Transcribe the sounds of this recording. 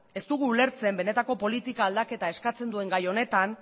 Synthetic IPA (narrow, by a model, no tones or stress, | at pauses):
e̞st̪uɣ̞uːle̞ɾt͡se̞mbe̞ne̞t̪ako̞po̞lit̪ikaːld̪ake̞t̪ae̞skat͡se̞nd̪ue̞ŋɡajo̞ne̞t̪an